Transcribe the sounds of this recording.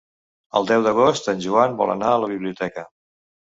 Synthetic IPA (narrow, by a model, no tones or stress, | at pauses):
ə̰lˠd̪ɛwðəɣ̞ost̪ənʲʒuambɔ̰lˠə̰naələβ̞iβliut̪ɛkə